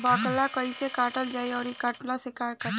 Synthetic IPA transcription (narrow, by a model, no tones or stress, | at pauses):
baːklakəisekaːʈəld͡ʒaːeɔːɾikaːʈlasekaːɾkə